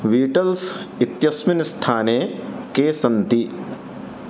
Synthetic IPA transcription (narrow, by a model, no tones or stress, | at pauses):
ʋiːʈɐlsit̪jɐsmɪnst̪ʰaːnekesɐnt̪i